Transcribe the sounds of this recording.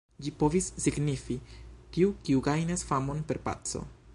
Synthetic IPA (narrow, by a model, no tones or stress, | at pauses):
d͡ʒipo̞visːiɡnifitiukiuɡajnasfamo̞npe̞ɾpa̰t͡so̞̰